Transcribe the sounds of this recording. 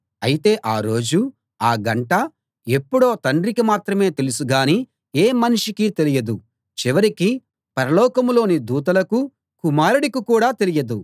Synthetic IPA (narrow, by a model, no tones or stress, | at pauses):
ɐjit̪e̞ːʔaːɾo̞ːd͡ʒu | aːɡɐɳʈɐ | e̞pːuɽo̞ːt̪ɐɳɖɾikimaːt̪ɾɐme̞ːt̪e̞lusuɡaːni | eːmɐnuʂikiːt̪e̞lijɐd̪u | t͡ʃiʋɐɾiki | pɐɾɐlɔːkɐmlo̞ːnid̪uːt̪̬ɐlɐku | kumaːɾuɽikikuːɽaːt̪e̞lijɐd̪u